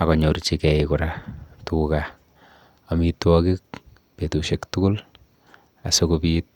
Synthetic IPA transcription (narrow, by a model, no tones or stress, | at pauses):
akɔɲoɾt͡ʃikɛikʊɾatuka | ɔmitwɔkik̚ | petuʃektʊkʊl | a̰sokopit̚